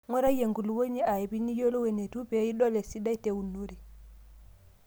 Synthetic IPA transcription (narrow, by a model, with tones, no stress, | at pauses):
ŋwɛ˦ɾa˦i˦je˨ŋɡu˨lu˨wo˦ɲɛ˦a˨ɛ˨bi˦ni˦jɔ˦lɔ˦wɛ˨nɛ˨tu˦pɛ˨i˦ɗɔ˦lɛ˨si˦da˦i˦te˨u˨nːu˦ɾi˨